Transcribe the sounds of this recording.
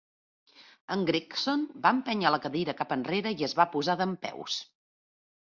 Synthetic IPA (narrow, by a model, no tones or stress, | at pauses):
əŋɡɾiksonbaəmpɛɲələkəðiɾəkapənreɾəiəzβapuzaðəmpɛ̰ws